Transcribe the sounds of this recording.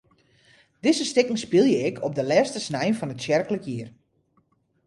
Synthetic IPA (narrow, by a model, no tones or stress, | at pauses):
d̥ɪzəstɪkŋ̩spilˠjəɪkʰɔp̚dəlɛːstəsnɛjnfɔnətsjɛrkələkʰjiər